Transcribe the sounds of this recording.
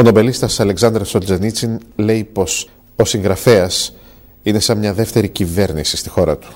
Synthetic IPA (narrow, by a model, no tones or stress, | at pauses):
ono̞be̞list̪ɐsɐle̞ksɐnd̪ɾesold͡zenit͡sinle̞ipo̞s | o̞siŋɡɾɐfe̞ɐs | ine̞sɐmɲɐðe̞ft̪e̞ɾicive̞ɾnisi̥st̪ixo̞ɾɐ̰t̪u̥